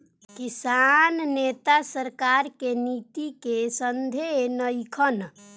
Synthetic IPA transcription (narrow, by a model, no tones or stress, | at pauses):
kisannet̪asəɾkaɾkenit̪ikesənd̪ʱenəjkʰən